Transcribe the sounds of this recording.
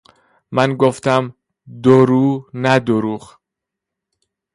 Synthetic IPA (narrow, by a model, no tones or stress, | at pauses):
mænɡoft̪æm | d̪oɾuːnæd̪oɾuːɣ